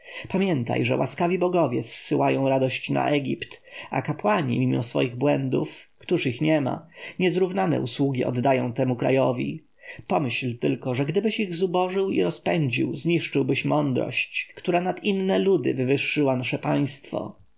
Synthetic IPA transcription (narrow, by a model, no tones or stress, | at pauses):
pamʲjɛnt̪a̰jʐɛ̰wʔaskavʲibɔɡɔvʲjɛsːɘwajɔ̃w̃ɾad̪ɔɕt͡ɕna̰ʔɛɡʲipt̪a̰kapwaɲḭmʲimɔsfɔ̰jiɣbwɛnd̪ufkt̪uʂixɲɛma̰ɲɛzɾuvnanɛ̰ʔuswuɡʲiɔ̰d̪ːajɔ̃w̃t̪ɛmukɾa̰jɔvʲḭ | pɔmɘɕlt̪ɘlkɔʐɛɡd̪ɘbɘɕiɣzubɔʐɘwḭɾɔspɛɲd͡ʑḭwzɲiʂt͡ʂɘwbɘɕmɔnd̪ɾɔ̰ɕt͡ɕkt̪uɾanat̪inːɛlud̪ɘ̰vɘvɘʂːɘwanaʂɛpaj̃st̪fɔ̰